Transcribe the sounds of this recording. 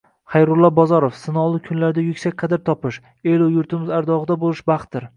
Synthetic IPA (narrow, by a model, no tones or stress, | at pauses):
χɑjɾʊlˠːɒbɒzɒɾofsɪnɒlˠɪkʲʰʊnlaɾd̪ajʊkʲsakʲqʰɑd̪ɪɾt̪ʰɒpɪʃ | elʊjʊɾt̪ʰɪmɪzaɾd̪ɒʁɨd̪abolˠɪʃbɑχt̪̚d̪ɪɾ